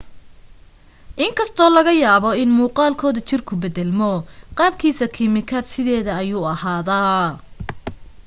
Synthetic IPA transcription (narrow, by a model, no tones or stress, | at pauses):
ʔɪŋkʰɐst̪ʰɔːlɐɣɐjaːβɔɪnmuːqɑːlkʰɔːðɐt͡ʃɪrkʰʊbɛðɛlmɔqɑːb̚kʰiːsɐkʰɪmɪkʰaːd̪sɪðɛːðɐɐjuːɐhaːðaː